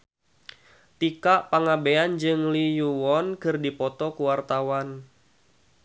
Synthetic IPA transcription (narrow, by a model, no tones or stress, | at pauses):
t̪ikaʔpaŋabeand͡ʒɨŋlijuwɔnkɨrdipɔt̪ɔkuwart̪awan